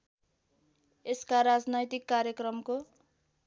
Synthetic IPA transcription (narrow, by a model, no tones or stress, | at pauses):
eskaɾad͡znʌjt̪ikːaɾjʌkrʌmko